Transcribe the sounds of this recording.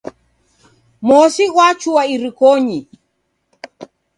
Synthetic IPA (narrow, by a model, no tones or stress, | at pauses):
mɔsiɣwat͡ʃuwaiɾikɔɲi